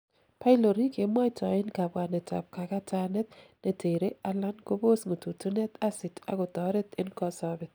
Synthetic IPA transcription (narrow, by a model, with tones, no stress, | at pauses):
pa˦ɪ˦lo˨ɾi˦ke˨˦ma˦ɪ˦ta˨ɪ˦nka˨bwa˨nɛ˨ta̰˨p̚ka˨ka˦ta˦nɛ˦t̪nɛ˨te˨ɾe˦a˦la˦nko˦bo˦sŋo˨tu˨tu˦nɛ˦t̪a˦sɪ˨ta̰˨˦ɡʊ˨t̪ɔ˨ɾɛ˦t̪ɪ˦nkɔ˦sa˦bɪ˨t̪̚